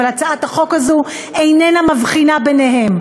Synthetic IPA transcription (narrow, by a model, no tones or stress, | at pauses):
alat͡saʔat̪aχo̞kazu | ejnenamavχinabeneɦe̞m